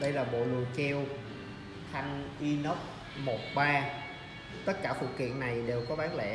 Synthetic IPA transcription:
ɗə˧jlaː˨˩ɓo̰˧˨lṵ˨˩˨kɛ˧w | xʰa˧ŋʔi˧nə˦˥p̚ | mo˨˩t̚ɓaː˧ | t̪ə˦˥t̚kaː˧˩fṵ˧˨kḭ˧˨ənːa˨˩jɗe˨˩wkɔ˨˦vaː˨˦nlɛ̰˧˩˨

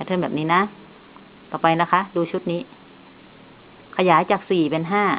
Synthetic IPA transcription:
a˧˩t̪ʰɤ˧˨bɛː˨˩p̚niː˦˧˥na˧˦˥ | t̪ɔː˨˩pa˧jla˦˧˥kʰa˦˥ʔduː˧˦t͡ɕʰu˦˥t̪̚niː˦˥ | kʰa˧jaː˨˦jt͡ɕaː˨˩k̚siː˨˩pe˧nɦaː˥˩

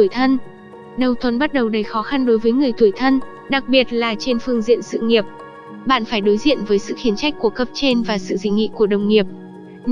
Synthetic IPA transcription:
jt̪ʰə˧n | ɗə˨˩wt̪ʰwə˨˧˩nɓa˦˥t̚ɗə˨˩wɗə˨˦jxɔ˨˦xa˧nɗo˨˦jvəː˨˦jŋɨ˨˩əjt̪ʰu˧˩jt̪ʰə˧n | ɗa˨˩k̚ɓi˨˩ət̚laː˨˩t͡ɕe˧nfɨ˧əŋzḭ˧˨ənsɨ̰˧˨ŋi˨˩əp̚ | ɓa̰ː˧˨nfaː˧˩jɗo˨˦jzḭ˧˨ənvəː˨˦jsɨ̰˧˨xi˨˦ənt͡ɕa˦˥jk̟̚ku˧˩əkə˦˥p̚t͡ɕe˧nvaː˨˩sɨ̰˧˨zï˧˩ŋ̟ŋḭ˧˨ku˧˩əɗə˨˩wŋ͡mŋi˨˩əp̚

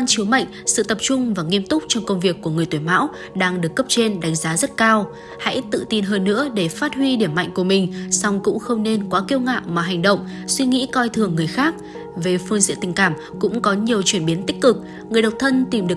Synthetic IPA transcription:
a˧nt͡ɕi˨˦ma̰˧˨jŋ̟sɨ̰˧˨t̪ə˨˩p̚t͡ɕʊ˧ŋ͡mvaː˨˩ŋi˧əmt̪ʊ˦˥k͡p̚t͡ɕɔ˧wŋ͡mkə˧wŋ͡mvi˨˩əkːu˧˩əŋɨ˨˩əjt̪iː˧˩jma̰ː˧˥w | ɗaː˧ŋɗɨ˨˩əkːə˦˥p̚t͡ɕe˧nɗa˨˦jŋ̟zaː˨˦zə˦˥t̚kaː˧w | ha̰˧˥jt̪ɨ̰˧˨t̪i˧nɦəː˧nːɨ̰˧˥əɗe˧˩faː˦˥t̚hwi˧ɗi˧˩əmːa̰˧˨jŋ̟ku˧˩əmï˨˩ŋ̟sɔ˧wŋ͡mkʊ̰˧˥ŋ͡mxə˧wŋ͡mne˧nkwaː˨˦ki˧əwŋa̰ː˧˨maː˨˩ɦa˨˩jŋ̟ɗə̰˧˨wŋ͡m | swi˧ŋḭ˧˥kɔ˧jt̪ʰɨ˨˩əŋːɨ˨˩əjxaː˦˥k̚ | ve˨˩fɨ˧ŋzḭ˧˥ət̪ï˨˩ŋ̟kaː˧˩m | kʊ̰˧˥ŋ͡mkɔ˨˦ɲi˨˩əwt͡ɕwi˧˩ənɓi˨˦nt̪ï˦˥k̟̚kɨ˨˩k̚ | ŋɨ˨˩əjɗə˨˩wk͡p̚t̪ʰə˧nt̪i˨˩mɗɨ˨˩ə

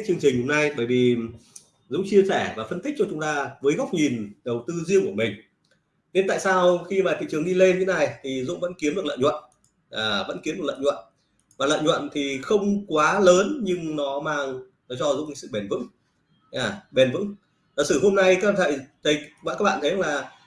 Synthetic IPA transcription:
t͡ɕɨ˧əŋt͡ɕï˨˩ŋ̟ho˧mna˧jɓəː˧˩jvi˨˩ | zʊ̰˧˥ŋ͡mt͡ɕi˧əsɛː˧˩vaː˨˩fə˧nt̪i˦˥k̟̚t͡ɕɔ˧t͡ɕʊ˨˦ŋ͡mt̪aː˧vəː˨˦jɣa˦˥wk͡p̚ɲi˨˩nɗə˨˩wt̪ɨ˧zi˧əŋku˧˩əmï˨˩ŋ̟ | ɲe˧nt̪a̰ː˧˨saː˧wxi˧maː˨˩t̪ʰḭ˧˨t͡ɕɨ˨˩əŋɗi˧le˧nɲɨ̰˧˥na˨˩jt̪ʰi˨˩zʊ̰˧˥ŋ͡mvə̰˧˥nki˨˦əmɗɨ˨˩ələ̰˧˨jɲwə̰˧˨n | aː˨˩və̰˧˥nki˨˦mɨ˨˩klə̰ː˧˨jɲwə̰˧˨n | vaː˨˩lə̰ː˧˨jɲwə̰˧˨nt̪ʰi˨˩xə˧wŋ͡mkwaː˨˦ləː˨˦nɲɨ˧ŋnɔ˨˦maː˧ŋ | nɔ˨˦t͡ɕɔ˧zʊ̰˧˥ŋ͡mŋsɨ̰˧˨ɓe˨˩nvɨ̰˧˥ŋ | ɲaː˨˩ɓe˨˩nvɨ̰˧˥ŋ | aː˨˩sɨ˧˩ɦo˧mna˧jkaː˦˥k̚ɓaː˧˨ə̰˧˨jt̪ʰə˨˦jkaː˦˥k̚a̰ː˧˨t̪ʰjnə˧˦laː˨˩

